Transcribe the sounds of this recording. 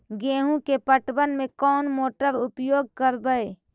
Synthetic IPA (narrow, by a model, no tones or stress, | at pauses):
ɡeːɦũkepəʈbənmẽkɔːnmoːʈəɾʊpjoːɡ̚kəɾbəe